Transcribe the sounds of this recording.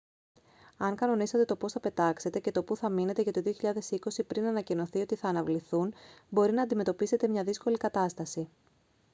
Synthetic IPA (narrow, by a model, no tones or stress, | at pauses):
ɐŋkɐno̞nisɐt̪e̞t̪o̞po̞sθɐpe̞t̪ɐkse̞t̪e̞ce̞t̪o̞puθɐmine̞t̪eʝɐt̪o̞ðio̞çiʎɐðe̞siko̞sipɾinɐnɐcino̞θio̞t̪iθɐːnɐvliθunbo̞ɾinɐːnd̪ime̞t̪o̞pise̞t̪e̞mɲɐðisko̞likɐt̪ɐst̪ɐsi